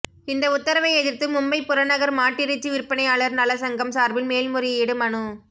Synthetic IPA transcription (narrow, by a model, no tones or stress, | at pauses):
ɪnd̪ɐʊt̪ːɐɾɐʋɐɪɛðɪɾt̪ɯmʊmbɐɪpːʊɾɐnɐɣɐɾmaːʈːɪɾɪt͡ʃːɯʋɪɾpːɐnɐɪjaːɭɐɾnɐlɐsɐŋɡɐmsaːɾbɪlmeːlmʊɾɪjeːɽɯmɐɳɯ